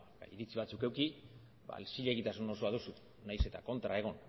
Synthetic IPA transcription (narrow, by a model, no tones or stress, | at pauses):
iɾit͡siβat͡suke̞wki | ba̰lsiʎeɣit̪asuno̞soaðusu | najse̞t̪ako̞nt̪ɾae̞ɣ̞o̞n